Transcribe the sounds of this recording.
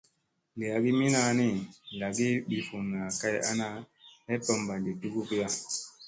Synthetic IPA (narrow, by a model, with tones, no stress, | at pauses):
li˨a˨ɡi˦mi˦na˦ni˦la˨ɡi˦ɓi˨fu˨ŋna˨ka˦ja̰˦na˦ | ɛ˦pɔ˦mba˨ndi˨tu˦ɡu˦ki˦ja˦